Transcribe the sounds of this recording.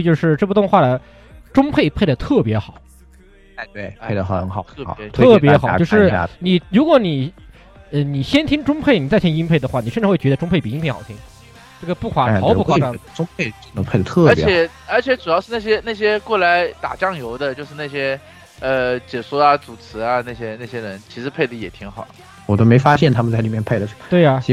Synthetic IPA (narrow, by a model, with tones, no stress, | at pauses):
t͡ɕjo˥˧ʊʂɻ̩˥˧ʈ͡ʂɤ˥˩pu˥˩ʊ˥˧ŋxwa˥˩d̪ə˩ | ʈ͡ʂʊ˥ŋpʰe˥˧ɪpʰe˥˩ɪd̪ə˩t̪ʰɤ˥˩pjɛ˧˥xɑ˨˩˦ʊ | a˥˧t̪we˥˩ɪpʰe˥˩d̪ə˩xɤ˧˥ŋxɑ˨˩˦ʊ̰˥˧˨t̪ʰɤ˥˩p̬jɛ˧˥xɑ˨˩˦t͡ɕo˥˧ʊʂɻ̩̰˥˩˥ni˨˩ɻu˧˥kwɔ˧˥ni˨˩ | ə˥˧ni˨˩ɕjɛ˥nt̪ʰi˥ŋʈ͡ʂʊ˥ŋpʰe˥˩ɪni˨˩t͡sa˥˩ɪt͡ɕʰjɛ˥˩˧i˥ŋpʰe˥˩ɪd̪ə˩xwa˥˩ni˨˩ʂə˥˧ʈ͡ʂ̩ʰ˥xwɥɛ˧˥d̪ʈ͡ʂʊ˥ŋpʰɪpi˨˩i˥npʰe˥˩ɪxɑ˨˩tʰi˥˩ŋ | ʈ͡ʂə˥˩ɡə˩pu˥˩kʰwa˨˥˩ɑ˧˥pu˥˩xwa˥˩˥ʈ͡ʂʊ˥ŋpʰe˥˧ɪʈ͡ʂə˥˩nə˧˥pʰe˥˩d̪ə˩t̪ʰɤ˞˥˩˧jɛt͡ɕɛ˨˧˩ | ə˞˧˥t͡ɕʰjɛ˧˥ʈ͡ʂu˨˩jɑ˥˧ʊʂɻ̩˥na˥˩ɕjɛ˥na˥˩ɕ̬jɛ˥kwɔ˥˩la˧˥ɪt̪a̰˨˩t͡ɕjɑ˥˩ŋjo˧˥ʊd̪ə˧t͡ɕjo˧ʂɻ̩˥˧na˥˩ɕjɛ˥ | ə˧t͡ɕjɛ˨˩su˥a˧t͡su˨˩t͡sʰɹ̩˧˥a˧na˥˩ɪɕjɛ˥na˥˩ɕjɛ˥ɻə˧˥nt͡ɕʰi˧˥ʂɻ̩˧˥pʰe˥ɪd̪ə˦jɛ˨˩t̪ʰi˧˥ŋxɑ̰˨˩˦ | wɔ˨˩t̪o˥me˧˥ɪfa˥ɕjɛ˥˩nt̪ʰa˥mə˨nt͡sa˥˩ɪli˨˩mjnpʰe˥˩ɪlə˩ʂə˧˥˩t̪we˥˩ɪa˩˧˥